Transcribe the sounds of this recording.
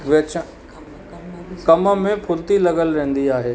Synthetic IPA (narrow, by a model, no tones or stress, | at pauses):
ʋɪt͡ɕ | kɐmə̆mẽpʰʊlt̪ilɐɡəlɾẽːnd̪iaːɦeː